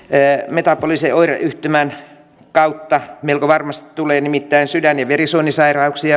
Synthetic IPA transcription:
met̪ɑpːoliseʔoirɑ̰ʔyht̪ømæn | kɑut̪ːɑmeilkoʋɑrmɑst̪i̥t̪t̪uleːnimit̪ːæinsydænjɑʋerisoːnisɑirɑuksiɑ

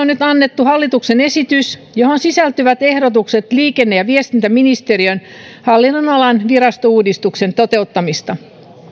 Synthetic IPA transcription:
onnyt̪ɑnːet̪ːuhɑlːit̪ukse̞ne̞sit̪ysjohonsisælt̪yʋæt̪e̞hɾot̪ukse̞t̪liːkenːejɑʋiest̪int̪æminist̪eriøn | hɑlːinːonɑlɑnʋiɾɑst̪ouːdist̪ukse̞nt̪ot̪e̞ut̪ːɑmist̪ɑ

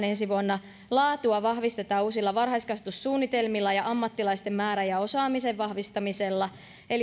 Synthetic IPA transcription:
nensiʋuɑnːɑ | lɑːt̪uɑʋɑhʋist̪e̞t̪ɑːuːsilːɑʋɑrhɑiskɑse̥t̪ussuːnːit̪e̞lmilːɑjɑʔɑmːɑt̪ːilɑist̪emːæːɾæjɑo̞sɑːmiseʋʋɑhʋist̪ɑmiselːɑ | el

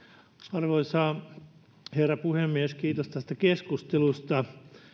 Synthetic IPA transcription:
ɑrʋoisɑː | herːɑpuhemːieskiːt̪ost̪æst̪ækeskust̪elust̪ɑ

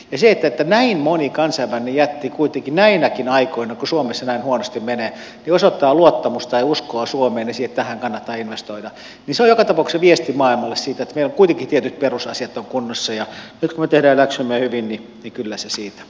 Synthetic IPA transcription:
jɑseet̪ːæet̪ːænæinmonikɑnsɑimænːejæt̪ːikuit̪eŋkinæinækinɑikoinɑkusuomesːɑnæinhuonost̪immeneː | niosot̪ːɑːluot̪ːɑmust̪t̪ɑiuskoɑsuomeːnnesiːhet̪t̪æhæŋkɑnːɑt̪ːɑːinʋest̪oidɑ | ninseojokɑt̪ɑpɑˑukseʋiest̪imɑilmɑlːessiːt̪æet̪ːmeiloŋkuit̪eŋkit̪iet̪yt̪̚perusɑsiɑt̪ːoŋkunːosːɑjɑnyt̪kumet̪ehdæːlæksymːøhyʋinninikylːæsesiːt̪æ̥

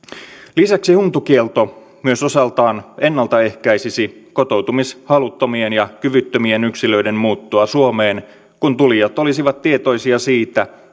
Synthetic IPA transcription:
lisæksihunt̪ukielt̪o | myøso̞sɑlt̪ɑːne̞nːɑlt̪ɑe̞hkæjsisiko̞t̪owt̪umishɑlut̪ːomienjɑkyʋyt̪ːømienyksilø̞ide̞mmuːt̪ːuɑsuomeːn | kunt̪ulijɑt̪o̞lisiʋɑt̪tiet̪o̞isiɑsiːt̪æ

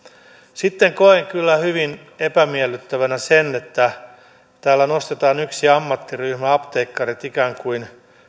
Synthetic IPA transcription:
sit̪ːeŋkoeŋkylːæhyʋin | epæmielːˑyt̪ːæʋænæsenːet̪ːæ | t̪æːlːænost̪et̪ɑːnyksiɑmːɑt̪ːiryhmæɑpt̪eikːɑrit̪ikæːŋkuin

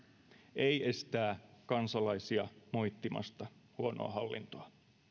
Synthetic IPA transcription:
ʔejest̪æːkɑnsɑlɑisiɑmo̞jt̪ːimɑ̰st̪ɑhuono̰ɑ̰hɑlːḭnt̪oɑ

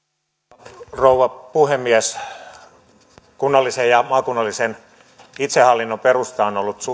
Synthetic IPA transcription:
rouʋɑpuhemːiæs | kunːɑlːisejjɑmɑːkunːɑlːˑisen | it̪sehɑlːinːoperust̪ɑonolːut̪su

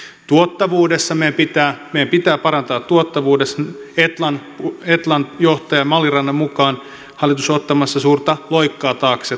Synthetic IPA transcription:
t̪uot̪ːɑʋuːdesːɑmejæmpit̪æːmejæmpit̪æːpɑɾɑnt̪ɑːt̪ːuot̪ːɑʋuːdeset̪lɑn | et̪lɑnjoht̪ɑjɑmɑlirɑnːɑmmukɑːn | hɑlːˑit̪usot̪ːɑmɑsːɑsuːrt̪ɑlo̞jkːɑːt̪ɑːkse

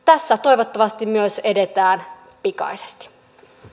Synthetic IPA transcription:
t̪æsːæt̪o̞iʋot̪ːɑʋɑst̪immyøsedet̪æːn | pikɑ̰ise̥st̪i̥

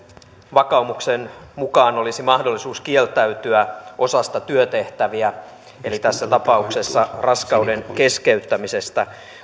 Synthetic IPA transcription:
ʋɑkɑumuksenmukɑːno̞lisimɑhdolːisuːskie̞lt̪æyt̪yæʔo̞sɑst̪ɑt̪yøt̪e̞ht̪æʋiæ | e̞lit̪æsːæt̪ɑpɑukse̞sːɑrɑskɑudenke̞ske̞yt̪ːæmise̞st̪æ

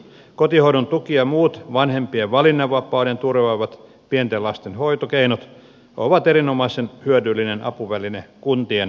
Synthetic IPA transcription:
kot̪ihoiɾont̪ukiɑmuːt̪ʋɑnhempieʋʋɑlinːɑʋɑpːˑɑudent̪urʋɑʋɑt̪ | pient̪elɑst̪enhoit̪okeinot̪ | oʋɑt̪erinomɑisenhyødylːˑinenɑpuʋælinekunt̪ien

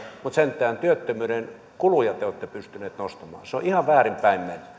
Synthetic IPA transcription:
mut̪sent̪ˑæːnt̪yøt̪ːømyːɾen | kulujɑt̪eoːˑt̪ːepyst̪yneːt̪nost̪ɑmɑ̰ːseoʔihɑʋʋæːrimpæimmenʲːy

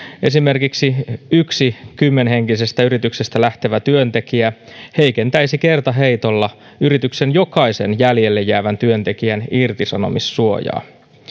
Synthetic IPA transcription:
e̞sime̞rkiksiyksikymːe̞nhe̞ŋkise̞st̪æyɾit̪yksest̪ælæht̪eʋæt̪yønt̪e̞kiæhe̞ike̞nt̪æisike̞rt̪ɑɦeit̪o̞lːɑ | yɾit̪yksenjo̞kɑisenjæljelːejːæːʋænt̪yønt̪e̞kiænirt̪isɑno̞̰misːuo̞̰jɑ̰ː

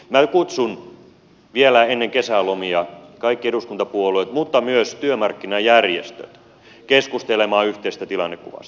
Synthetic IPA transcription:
mækut̪sun | ʋielæenːeŋkesælomiɑkɑikːieduskunt̪ɑpuoloit̪mut̪ːɑmyøst̪yømɑrkːinɑjærjḛst̪ø̰t̪ | keskust̪elemɑːyht̪eist̪æt̪ilɑ̰nːekkṵʋɑ̰st̪

